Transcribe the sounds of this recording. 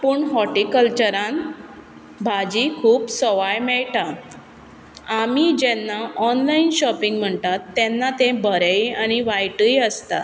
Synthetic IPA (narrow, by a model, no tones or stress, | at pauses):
pəɳɦɔʈikəlt͡ɕəɾãn | bʱad͡ʑikʰuːpsɔʋajmɛɭʈa | amid͡ʑɛnːaʔɔnlainɕɔpiŋɡm̤əɳt̪at̪ːɛnːat̪ẽbʱəɾejañiʋajʈəjəst̪a̰